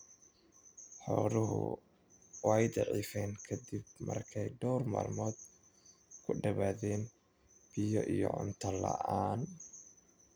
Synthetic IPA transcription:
ħɔɾʊɦʊ̰ | wɑjd̪ɑʕiːfɛŋkʰɐd̪ib̚mɐrkʰɛjɖɔwrma̰ːrmɔːd̪ | kʰʊɖɐβaːðɛːn | b̥ɪjɔʔijɔʕʊnt̪ʰɐlɐʔaːn

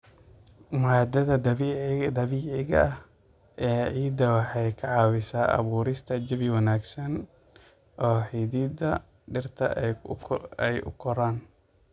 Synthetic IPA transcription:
maːd̪ɐðɐ | d̪ɐβiːʕɪɣɐ̰ɐh | ʔɛːʕiːd̪ɐwɑħɑjkʰɐʕɑːwɪsaːʔɐ̰βuːɾɪst̪ʰɐd͡ʒɐβɪwɑnaːɡsɐn | ʔɔːħiðiːd̪ɐ | ɖɪrt̪ʰɐ̰ | ɛjʊ̰kʰɔɾaːn

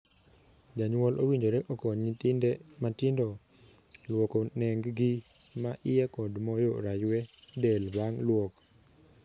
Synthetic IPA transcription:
d͡ʒaɲwɔlʔowiɲd͡ʒoɾɛʔokɔɲitɪndɛmatɪndɔ | lwɔkɔnɛŋɡɡi | maʔɪjɛkɔdmɔjoɾajwɛ | dɛlbaŋlwɔk

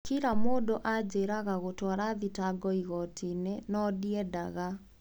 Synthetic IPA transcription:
kiɾamoːdoʔad͡ʑeɾaɣaɣotɔɾaðitaɡɔiɣɔtʰinenɔdiɛdaɣa

